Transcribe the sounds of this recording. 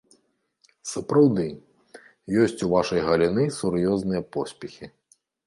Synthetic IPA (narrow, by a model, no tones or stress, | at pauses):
sɐpɾawd̪ɨ | jɔsʲt͡sʲuvaʂɐjɣɐlʲinɨsuɾjɔznɨjɐpɔsʲpʲɛxʲi